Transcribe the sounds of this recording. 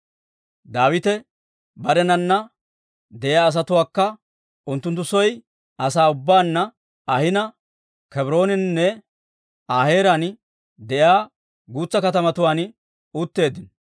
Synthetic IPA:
d̪aːwɪt̪ɛ | bɐɾɛnɐnːɐ | d̪ɛʔjɪaːs̬ɐt̪ʊwaːkːɐ | ʊnt̪ːʊnt̪̬ːʊsɔj | ʔɐsaːʊbːaːnːɐ | ɐhɪnɐ | kɛbɾo̞ːnɪnnːɛ | aːhe̞ːɾan | d̪ɛʔjaː | ɡuːt͡sːɐkɐt̪̬ɐmɐt̪ʊwaːn | ʊt̪ːe̞ːd̪ːɪn

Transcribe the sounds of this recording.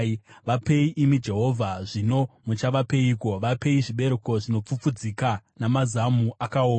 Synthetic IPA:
ʋape̞iʔimid͡ʒe̞ɦo̞vʱaʐino̞mut͡ʃaʋape̞iko̞ʋape̞iʐiɓe̞ɾeko̞ʐino̞p͡fup͡fud͡zikanamazamuʔakaoː

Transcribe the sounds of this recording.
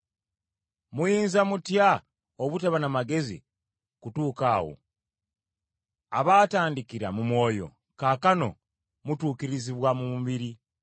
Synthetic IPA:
mujiːnzamutja | oβutaβanamaɡe̞zḭ | kutuːkawo̰ | a̰βaːtaːndikiɾa̰mumwo̞ːjo̞̰ | kaːkano̞̰ | mutuːkiɾiziβwamumuβiɾi

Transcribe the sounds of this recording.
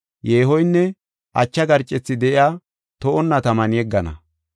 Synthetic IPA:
jeːɦɔjnːɛ | ʔɐ̰t͡ʃːɐɡɐɾt͡ʃʼːɛt͡sːɪd̪ɛʔɪjaː | t̪ɔʔɔnːɐt̪ɐmɐnjɛɡːɐnɐ̰

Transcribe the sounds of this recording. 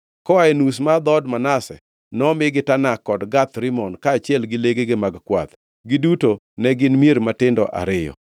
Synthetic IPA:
kɔaɛnus̬mad̪ɔdmanasɛ̰ | nɔmɪɡɪtanakːɔdɡat̪ɾɪmɔnkaːt͡ʃjɛlɡɪleɡeɡemaɡkwa̰t̪ | ɡɪduto | nɛɡɪnmieɾmatɪndɔʔa̰ɾɪjɔ̰

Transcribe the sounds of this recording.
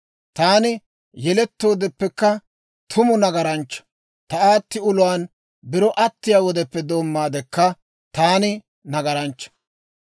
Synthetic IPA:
t̪aːnɪ | jɛlɛt̪ːo̞ːd̪ɛpːɛkːɐ | t̪ʰʊmʊnɐɡɐɾɐnt͡ʃːɐ̥ | t̪ɐaːt̪ːɪʊlʊwaːn | bɪɾɔʔɐt̪ːɪjaːwɔd̪ɛpːɛd̪o̞ːmːaːd̪ɛkːɐ | t̪aːnɪ | nɐɡɐɾɐnt͡ʃːɐ̥

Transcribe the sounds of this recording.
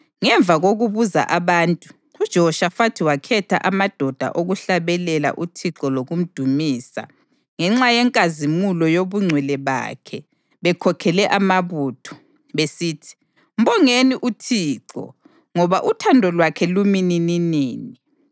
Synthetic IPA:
ŋɛɱb̪vʱaɣoɣuβuza̰ʔaβaːntʼu | ud̥ʒ̥ʱɔʃafatʰiwakʰɛtʰa̰ʔamad̥ʱɔd̥ʱa̰ʔoɣuɬaβɛlɛla̰ʔutʰiǁɔloɣum̩d̥ʱumiːsa̰ | ŋɛŋ͡ǁajɛŋkʼazimulɔjoβuŋ͡ǀʱwɛlɛβa̰ːkʰɛ | βɛkʰɔkʰɛlɛʔamaβuːtʰɔ̥ | βesiːtʰi̥ | m̩bɔŋeniʔutʰiːǁɔ̰ | ŋɔβaʔutʰandʱɔlwakʰɛluminininiːni

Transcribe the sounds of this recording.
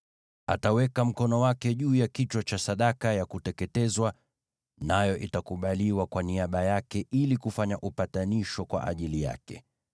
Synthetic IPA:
a̰tawɛkam̩kɔnɔwakɛʄuːjakit͡ʃwat͡ʃasaɗakajakutɛkɛtɛzwa | najɔʔitakuɓaliwakwaniaɓajakɛilikufaɲaʔupataniʃɔkwa̰ʔa̰ʄilija̰kɛ̰

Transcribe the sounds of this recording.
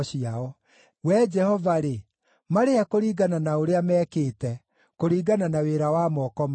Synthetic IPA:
ɕiaɔ | wɛd͡ʒɛhɔvaɾe | maɾeɛkoɾiːɡananaoɾeamɛːkeːtɛ | koɾiːɡananaweɾawamɔkɔm

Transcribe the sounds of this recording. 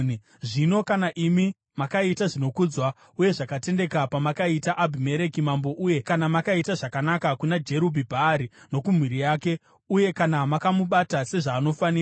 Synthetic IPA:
ʐino̞kanaʔimi | makaitaʐino̞kud͡zwa | uje̞ʐakate̞nde̞kapamakaitaʔabʱime̞ɾe̞kimambo̞ʔuje̞kanamakaitaʐakanakakunad͡ʒe̞ɾubʱibʱaːɾino̞kum̤wiɾijaːke̞ | uje̞kanamakamuɓatase̞ʐaːno̞faniːa

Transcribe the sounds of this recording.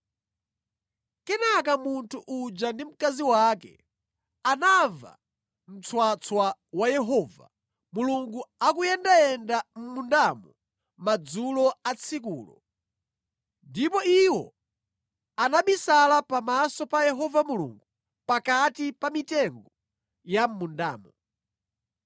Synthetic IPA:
kɛnakamuntʰuʔud͡ʒandim̩kaziwakɛ̰ | anava̰ | m̩t͡sʰwat͡sʰwawajɛɦɔːva̰ | muluŋɡuakujɛndajɛndam̩mundamɔ | mad͡zulɔat͡sʰikṵːlɔ̰ | ndipɔiwɔ | anaɓisalapamasɔpajɛɦɔvamulṵŋɡu | pakatipamitɛŋɡɔ | jam̩munda̰ːmɔ

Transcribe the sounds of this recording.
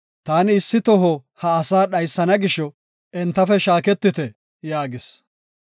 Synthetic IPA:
t̪aːnɪsːɪt̪ɔɦɔhɐɐsaːɗɐjsːɐnɐɡɪʃɔ | ʔɛnt̪ːɐfɛʃaːkɛt̪ːɪt̪ɛ | jaːɡɪs

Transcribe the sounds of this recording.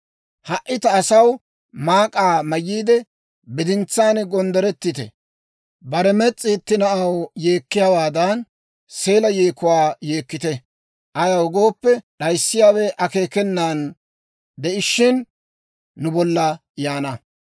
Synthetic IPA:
hɐʔːɪt̪ɐːsɐw | maːkʼaːmɐjːiːd̪ɛ | bɪd̪ɪnt͡sːaːnɡɔnd̪ɛɾɛt̪ːɪt̪ɛ̰ | bɐɾɛmɛt͡sʼːiːt̪ːɪnɐʔɐwje̞ːkːɪjawaːd̪ɐn | se̞ːlɐjeːkʊwaːje̞ːkːɪt̪ɛ | ʔɐjɐwɡo̞ːpːɛɗɐjsːɪjaːwɛʔɐke̞ːkɛnːaːn | d̪ɛʔɪʃːɪnː | ʊbɔlːɐ | jaːnɐ

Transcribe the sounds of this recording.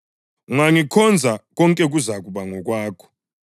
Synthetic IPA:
uŋaŋikʰɔnd͡zʱak̬ɔŋkʼɛk̬uzak̬uɓaŋɔk̬waːkʰɔ̥

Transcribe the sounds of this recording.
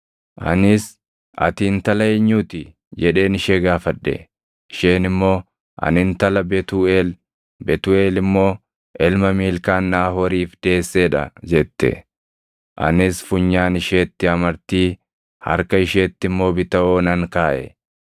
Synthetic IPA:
ʔɐ̰nɪs | ʔɐ̰t̪iːnt̪ɐlɐɛɲːuːt̪ɪ | d͡ʒɛᶑe̞ːnɪʃeːɡaːfɐᶑ̪ːɛ̰ | ɪʃe̞ːnɪmːo̞ː | ʔɐ̰nɪnt̪ɐlɐbɛt̪uːeːl | bɛt̪ue̞ːlɪmːo̞ː | ʔɛlmɐmiːlkaːnːaːhɔɾiːfd̪̥e̞ːsːeːᶑɐ̰d͡ʒɛt̪ːɛ̰ | ʔɐ̰nɪsfʊɲːaːnɪʃeːt̪ːɪɐmɐɾt̪iː | hɐ̰ɾkɐɪʃeːt̪ːɪmːo̞ːbɪt̪ɐʔoːnɐŋkaːʔɛ̰

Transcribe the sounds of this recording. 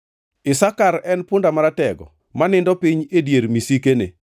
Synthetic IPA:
ɪsakaɾɛnpʊndamaɾatɛɡɔ̰ | manɪndɔpiɲedjeɾmisikenḛ

